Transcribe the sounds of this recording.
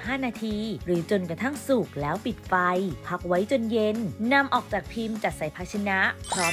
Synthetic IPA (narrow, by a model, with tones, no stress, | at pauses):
ɦaː˥˩naː˧t̪ʰiː˧ɾɯː˩˦t͡ɕo˧nkɾa˧t̪ʰa˥˩ŋsu˨˩k̚lɛː˦˥wpi˨˩t̪̚fa˧jpʰa˦˥k̚wa˦˥jt͡ɕo˧nje˧nːa˧mʔɔː˨˩k̚t͡ɕaː˨˩k̚pʰi˧mt͡ɕa˨˩t̪̚sa˨˩jpʰaː˧t͡ɕʰa˧na˦˥ʔpʰɾɔː˦˥